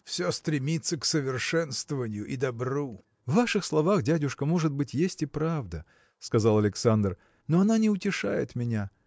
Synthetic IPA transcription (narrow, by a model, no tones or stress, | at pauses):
fsʲost̪ɾʲɪmʲit̪sːəksəvʲɪrʂɛnst̪vəvənʲɪjʊʔid̪ɐbru | vːaʂɨxslˠɐvaxdʲædʲʊʂkəmo̞ʐɨd̪̚bɨtʲjesʲtʲɪpɾavd̪ə | skɐzalˠɐlʲɪksand̪r | noɐnanʲɪʊtʲɪʂa̰jɪ̰t̪mʲɪnʲa